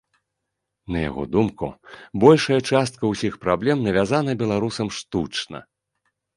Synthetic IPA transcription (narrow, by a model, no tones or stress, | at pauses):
nɐja̰ɣɔ̰d̪umkṵbɔlʲʂɐjɐt͡ʂast̪̚kɐwsʲixpɾablʲɛmnɐvʲazanɐbʲɛlˠaɾusɐmʂt̪ut͡ʂnɐ̰